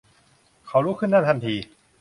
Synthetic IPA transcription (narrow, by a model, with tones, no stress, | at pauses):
kʰa˨˦˥wɾuː˦˥kʰɯ˥˩nːa˥˩t̪ʰa˧nt̪ʰiː˧